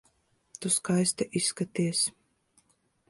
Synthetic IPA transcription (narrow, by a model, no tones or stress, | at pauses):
t̪uskajst̪aʔisːkat̪iɛs